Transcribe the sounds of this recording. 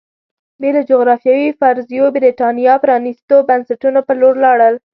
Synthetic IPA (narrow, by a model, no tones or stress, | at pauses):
belod͡ʒoɣɾɑfjɑwifaɾzijobɾiʈɑnijɑpəɾɑnist̪obansaʈunopəloɾlɑɽəl